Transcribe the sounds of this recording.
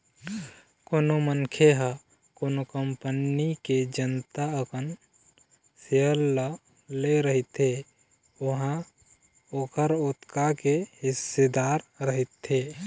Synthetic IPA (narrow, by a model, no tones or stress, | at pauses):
koːnomənkʰeɦə | koːnokəmpəniked͡ʒənt̪aəkən | seəlːə | leɾəɦit̪ɦe | ʊɦã | okʰəɾot̪kakehɪsːed̪aːɾɾəɦit̪ɦe